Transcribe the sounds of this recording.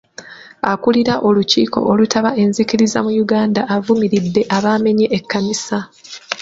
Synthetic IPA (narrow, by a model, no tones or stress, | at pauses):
a̰kuliɾaʔo̞luciːko̞̰ʔolutʰaβaʔe̞nziciɾiza̰mujuɡaːndaʔːvumiɾidːe̞ʔaβaːme̞ɲeʔːkːamisa